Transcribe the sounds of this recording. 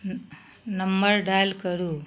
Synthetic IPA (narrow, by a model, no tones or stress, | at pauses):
nɐmbɐɾɖaːjlkɐɽu